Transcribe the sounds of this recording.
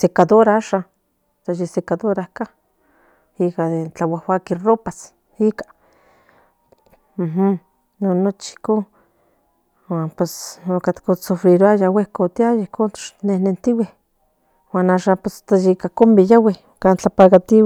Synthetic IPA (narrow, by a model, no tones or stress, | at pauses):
sekad̪oɾaaːʃan | t̪ajisekaðoɾahka | ikaðet͡ɬawahwakiroːpas | ikḁ | m̩ɦm | nonːot͡ʃi̥hko | waːnpesokat̪kosofɾiɾoajawehkot̪iajaihkont̪o̥t͡ʃnehnent̪iweh | waːnaːʃaːmpest̪ajikakombejaweh | kaːnt͡ɬapakat̪iw